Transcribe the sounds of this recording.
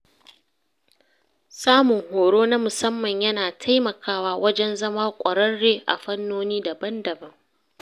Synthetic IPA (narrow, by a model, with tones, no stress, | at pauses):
saː˦mʊ˨ŋhoː˨ɽoː˦na˦mʊ˨sɐ˦mːɐ˨ɲjɐ˦naː˨tʰa˦jmɐ˨kʰaː˦waː˦wɐ˦d͡ʒɛ˦nzɐ˦maː˦kʷʼɐ˨ɽɐ˦rːeː˦ʔa̰˨ɸɐ˦nːoː˦niː˦dɐ˨bɐ˦ndɐ˨bɐ˦ŋ